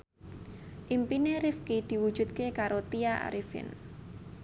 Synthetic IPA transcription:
ʔimpineɾifkid̪̥i̤wud̥ʒ̥ṳt̪̚kekaɾot̪iaa̰ɾifɪ̰n

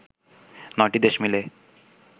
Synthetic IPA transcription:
nɔjʈid̪eʃmile

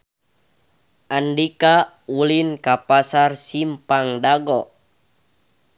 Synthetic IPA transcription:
ʔandika | ulinkapasarsimpaŋdaɡɔ

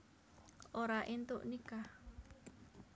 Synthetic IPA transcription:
ʔoɾaʔint̪uʔnika

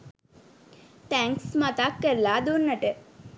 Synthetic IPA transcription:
t̪æŋksmat̪akːəɾlaːd̪onːəʈə

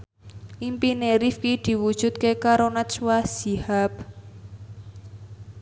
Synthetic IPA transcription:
ʔimpineɾifkid̪̥i̤wud̥ʒ̥ṳt̪̚kekaɾonat͡ʃwasihap̚

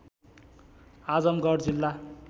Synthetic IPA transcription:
ad͡zʌmɡʌrd͡zilːa

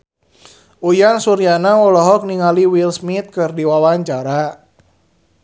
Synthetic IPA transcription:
ʔujansuɾijanaɔlɔɦɔk̚niŋaliwilsmit̪̚kɨrdiwawaɲt͡ʃaɾa

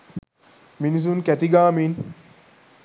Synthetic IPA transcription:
miniz̬unkæt̪iɡaːmin

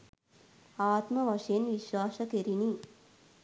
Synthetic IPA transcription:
aːt̪mɐʋɐʂjɐnʋiʃʋaːsɐkeɾini

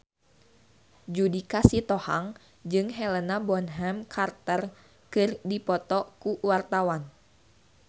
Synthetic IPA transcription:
d͡ʒudikasit̪ɔha̰ŋ | d͡ʒɨŋɦɛlənabɔnɦɛmkʰart̪ər | kɨrdipɔt̪ɔkuwart̪awan

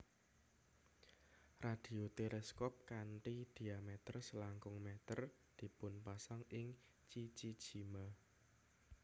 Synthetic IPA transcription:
rad̪̥i̤ot̪elɛskɔp̚kanʈ̪id̪̥i̤amɛt̪ərsəlaŋkʊŋmɛt̪ər | d̪̥i̤pʊnpasaŋɪŋ | t͡ʃit͡ʃi̥d͡ʒ̥ima

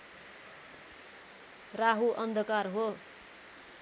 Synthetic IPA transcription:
raɦuʔʌnd̪ʱʌkarɦo

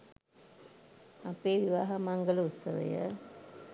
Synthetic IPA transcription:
apeːʋiʋaːɦamaŋɡələut̪səʋə̰jə̰

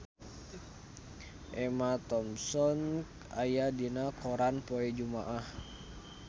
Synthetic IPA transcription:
ʔɛmat̪ɔmsɔnk | ajadinakɔɾanpɔɛd͡ʒumaʔah

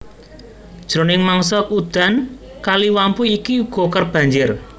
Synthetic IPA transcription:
d̥ʒ̥ɾo̤nɪŋmaŋsɔʔud̪̥a̤n | kaliwampuikiuɡ̥ɔ̤kərb̥ä̤ɲd͡ʒɪr

